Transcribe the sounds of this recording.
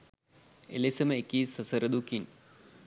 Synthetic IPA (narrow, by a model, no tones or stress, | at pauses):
ḛlesɐmekːisɐsɐɾɐd̪ukin